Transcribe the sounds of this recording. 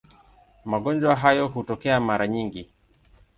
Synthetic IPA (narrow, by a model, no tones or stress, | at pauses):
maɡɔnd͡ʒwaɦajɔɦutɔkɛamaɾaɲiŋɡi